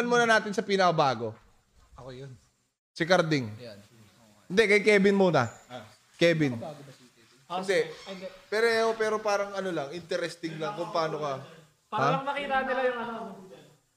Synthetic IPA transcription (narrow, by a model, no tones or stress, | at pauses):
ɐnmuːnɐnaːt̪ɪnsɐpiːnɐkɐbaːɡo̞ | ɐkojon | sɪkɐɾd̪ɪŋ | hɪnd̪ɛkɐjkɛːbɪnmuːnɐ | kɛːbɪn | ɪnd̪ɛpɛɾɛopɛːɾo̞paːɾɐŋɐnolɐŋʔɪnt̪ɛɾɛst̪ɪŋlɐŋkʊŋpaːnokɐ | paaɐmɐkiːt̪ɐnɪlajʊŋɐno